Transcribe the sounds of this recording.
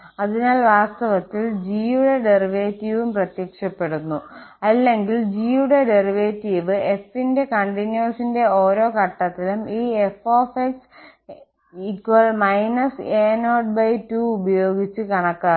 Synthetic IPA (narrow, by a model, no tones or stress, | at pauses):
ɐðinaːlʋaːst̪ɐʋɐt̪ːild͡ʑiːjuɽe̞ɖeriʋeːtːiʋumprɐt̪jɐkʂɐpːe̞ɽunːuɐlːe̞ŋɡild͡ʑiːjuɽe̞ɖeriʋe̞ːtːiʋɨe̞finde̞kɐɳɖinjoːsinde̞oːɾo̞ːkɐʈːɐt̪ːilumiːefoːfeks | ikːwɐlmɐjnɐseːnoːɖ̚bɐjtuubɐjo̞ːɡit͡ɕːɨkɐɳɐkːaː